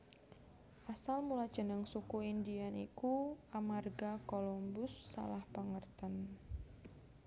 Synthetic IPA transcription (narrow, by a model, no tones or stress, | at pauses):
ʔasalmulad̥ʒ̥ə̤nəŋsukuindianḭkuamarɡakolɔmbʊsːa̰lahpaŋərt̪ən